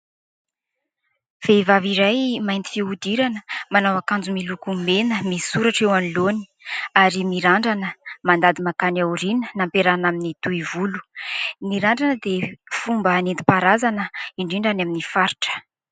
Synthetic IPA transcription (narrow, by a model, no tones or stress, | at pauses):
v̥evaviɾajmajnt̪i̥fiud̪iɾanəmanawakand͡zumilukumenəmisuɾaʈ͡ʂewaniloni̥ | aɾimiɾaɳɖ͡ʐanəmand̪ad̪imakanawɾinənampeɾanaminit̪uivulu̥miɾaɳɖ͡ʐanəd̪efumbəːnint̪i̥paɾazanəiɳɖ͡ʐiɳɖ͡ʐanaminifaɾiʈ͡ʂə̥